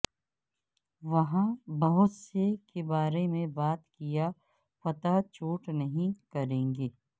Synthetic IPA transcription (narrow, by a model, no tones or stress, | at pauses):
ʋɐɦãbɐɦʊt̪sekebaːɾemẽbaːt̪kija | pɐt̪at͡ʃuːʈnɐɦĩkɐɾẽːŋɡeː